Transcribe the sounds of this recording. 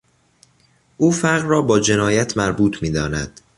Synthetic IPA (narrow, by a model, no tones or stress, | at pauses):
ʔuːfæɾɣrɒːbɒːd͡ʒe̞nɒːjæt̪ʰmæɾbuːt̪ʰmiːd̪ɒːnæ̰d̪̥